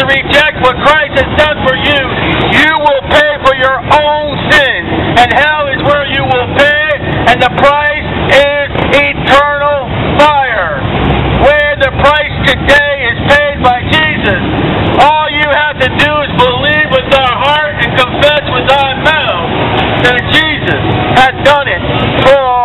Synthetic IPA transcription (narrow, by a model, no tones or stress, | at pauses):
ɨɹɪd͡ʒɛk̚t̚wʌt̚kʰɹ̥aɪst̚hɨz̥sɛd̥fə˞jʉjɨwɪlˠpʰeɪfə˞jə˞õʊ̃nsɪ̃nɨ̃nhaʊɪzwə˞jɨwɪlˠpʰeɪɨ̃nðəpʰɹ̥aɪsɪzitʰɜ˞nl̩ˠ | faɪə˞wə˞ðɨpʰɹ̥aɪstʰɨdeɪɪz̥pʰeɪd̚baɪd͡ʒizɨsɔlˠjɨhæftɨdɨɪzbəlivwɪðaʊə˞ɦɑɹɾɨ̃nkə̃ɱfɛswɨðaʊə˞maʊθðɨt̚d̥ʒ̥izɨshɨzdʌ̃nɪt̚fə˞